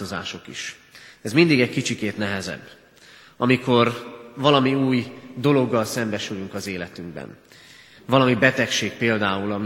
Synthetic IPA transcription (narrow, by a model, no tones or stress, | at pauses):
oza̰ːʃo̞kḭʃ | ɛzmind̪iɡɛckit͡ʃikeːt̪nɛɦɛzɛ̰bː | ɒmiko̞rvɒlɒmiuːjd̪o̞lo̞ɡːɒlsɛmbɛʃylyŋkɒzeːlɛt̪yŋɡbɛ̰n | vɒlɒmibɛt̪ɛkʃeːk̚peːld̪aːulɒm